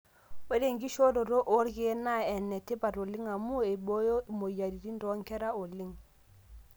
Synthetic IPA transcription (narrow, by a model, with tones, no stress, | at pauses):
we˦de˨ŋɡi˦ʃo˦do˨ɾo˦ʔo˦ɾɡe˦na˦ɛ˨nːɛ˨te˦pa˨ɾo˨li˦ŋa˨mu˦e˨bo˦jo˦˨mo˨ja˨ɾi˨ɾi˦ndɔ˦ŋkɛ˦ɾa˦o˨li˦ŋ